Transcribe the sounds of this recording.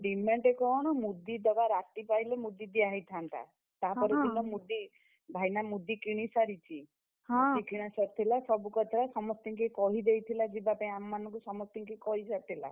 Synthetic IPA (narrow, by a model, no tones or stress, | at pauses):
ɖimeɳʈekɔɽ̃ɔmud̪id̪ɔbaɾat̪ipajlemud̪id̪iaɦit̪ʰant̪a̰ | t̪apɔɾit̪ilɔmud̪i | bʱajnamud̪ikiɽ̃isaɾit͡ʃʰi | ɦɔ̃sikiɽ̃asɔt̪ʰilasɔbukɔt̪ʰɔɾasɔmɔst̪iŋkikɔɦid̪ejt̪ʰilad͡ʒibapaĩamɔːanɔŋkusɔmɔst̪iŋkikɔɦisat̪ʰila̰